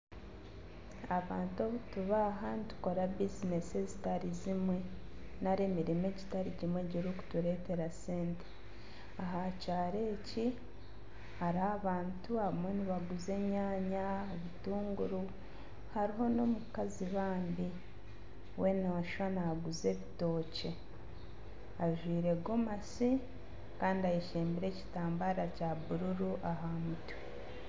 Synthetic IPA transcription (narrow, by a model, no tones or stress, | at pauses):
aβaːntoβutuβaɦanitu̥ko̞ɾabizine̞sezitaɾizimwe̞naɾeːmiɾime̞ɟitaɾiɟimwe̞ɟiɾuku̥tuɾe̞te̞ɾaseːnte̥ | aɦacaːɾe̞ːci | haɾaːβaːntuaβimweniβaɡuze̞ɲaːɲaeβituːŋɡuɾu | haɾiɦo̞no̞mukaziβaːnbi | we̞naaʃwanaɡuze̞ːβito̞ːce̞ | aʒwiːɾe̞ɡomasi | kaːndiajeʃeːmbiɾe̞ːci̥taːmbaɾacaβuɾuɾuʔaɦamutu̥